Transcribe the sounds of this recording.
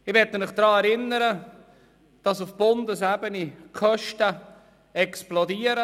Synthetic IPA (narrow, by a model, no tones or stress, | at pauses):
ɪʋɛtːəmɪχd̥ɾɑːɛɾɪnːəɾə | d̥ɑsʊfb̥ʊndəsɛbənikʰœʃtə | ɛksplɔdiːəɾə